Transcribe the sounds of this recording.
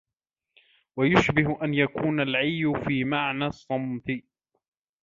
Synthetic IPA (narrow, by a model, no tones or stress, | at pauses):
wajʊʃbɪɦʊʔanjakuːnalʕajːʊfiːmaʕnaːsˤːɑmt̪ɪ